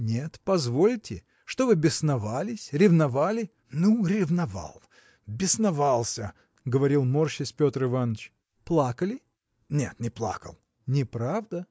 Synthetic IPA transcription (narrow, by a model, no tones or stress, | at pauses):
nʲe̞t̪pɐzvolʲtʲɪ | ʂt̪ovɨbʲɪsnɐvalʲɪsʲɾʲɪvnɐvalʲɪ | nuɾʲɪvnɐva̰lˠ | bʲɪsnɐvalˠsʲə | ɡəvɐɾʲilˠmorɕɪsʲpʲot̪rɨvanːət͡ɕ | plˠakəlʲɪ | nʲe̞̰t̪nʲɪplˠa̰kə̰lˠ | nʲɪpɾavd̪ə